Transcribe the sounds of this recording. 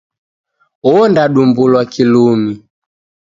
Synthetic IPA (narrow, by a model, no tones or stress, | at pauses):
ɔndaɗumbulwakilumi